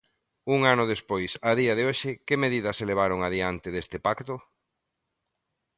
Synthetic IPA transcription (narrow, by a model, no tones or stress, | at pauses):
uŋanʊð̞espojsaðiɐðɪoʃɪkɪmeðiðɐseleβ̞aɾoʊŋaðiant̪ɪðest̪ɪpakt̪ʊ